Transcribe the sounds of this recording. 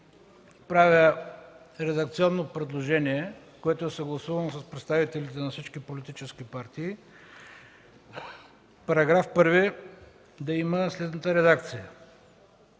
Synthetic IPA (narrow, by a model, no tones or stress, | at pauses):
pɾavʲə | ɾɛd̪ɐk̚t̪siɔnːopɾɛd̪lˠoʒɛniɛ | koɛt̪oɛsɐɡlˠɐsuvɐnosəspɾɛt̪st̪avit̪ɛlit̪ɛnɐfsit͡ʃkipolit̪it͡ʃɛskipaɾt̪iː | pɐɾɐɡɾafpəɾvi | d̪ɐiməslɛd̪nət̪əɾɛd̪ak̚t̪sijə